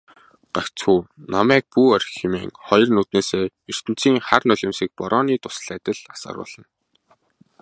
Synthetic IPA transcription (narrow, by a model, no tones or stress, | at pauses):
ɢ̥akt͡sxuːnamæːk̚puːɔrʲximeːŋχɔj̆rnuːt̪neːseː | er̥t̪ɘ̆n̥t͡siːŋχarnʊɮʲɪ̆msĭk̚pɔɾɔːniːt̪ʊsɮæːt̪ə̆ɮḁsa̰ːɾʊ̰ːɮə̆n